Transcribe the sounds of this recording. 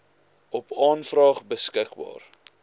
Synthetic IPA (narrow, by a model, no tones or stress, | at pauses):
ɔpɑːnfrɑːχbəskəkbɑ̰ːr